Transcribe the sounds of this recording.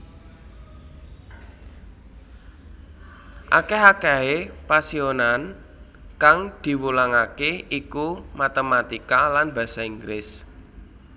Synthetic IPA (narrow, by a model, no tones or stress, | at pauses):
ʔa̰keɦakaepasionan | kaŋd̪̥i̤wulaŋakeikumat̪əmat̪ikalanbä̤saiŋɡɾɪs